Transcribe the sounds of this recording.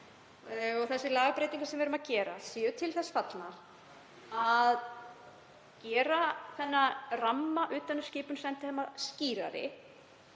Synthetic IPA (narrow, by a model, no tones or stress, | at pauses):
ɔɣθɛsːɪlaːɣpɾejt̪iŋkasɛmvɛɾʏmaðcɛːɾa̰siːʏt̪ʰɪlθɛsfat̪na | að | cɛːɾaθɛnːaramːaʔʏːt̪anʏ̥ɾ̥scɪːpʏnsɛnt̪ɪhɛːmːasciːɾa̰ɾɪ̰